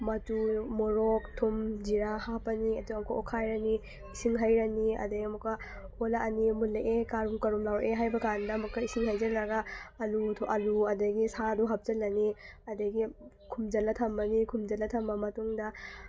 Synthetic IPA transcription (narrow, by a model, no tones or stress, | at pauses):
mɐtumoɾok̚tʰumd͡ʒiɾahapɐniɐtuɐmkʰoʔokʰajɾɐni | isiŋɦɐjɾɐniɐ̰dɐɡiɐmukːɐ | holaʔɐnimuleʔekaɾumkɐɾumlawʔeɦajbɐkandɐɐmukːɐisiŋhɐjzɐɾlɐɡɐɐlutʰoʔɐluɐdɐɡisaduɦɐp̚zɐlːɐniɐdɐɡi | kʰumd͡ʒɐlɐtʰɐmbɐnikʰumd͡ʒɐlɐtʰɐmbɐmɐtuŋdɐ